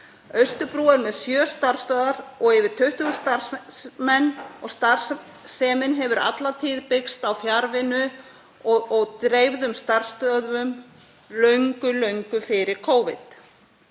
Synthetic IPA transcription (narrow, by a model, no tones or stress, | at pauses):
œɥst̪ʏpɾuːaɾmɛðsjœːst̪ar̥st̪œːðaɾɔɣɛvɪ̥t̪ʰʏht̪ʏʏst̪aɾmɛnːɔɣst̪ar̥s | sɛːmɪnɦɛvʏɾa̰t̪lat̪ʰiːðpɪkst̪awfjaɾvɪnʏ | ɔɔɣt̪ɾeːjvðʏmst̪ar̥st̪œðvʏm | lœɥŋkʏlœɥŋkʏfɪɾɪɾ̥kʰoːwvɪ̰t̪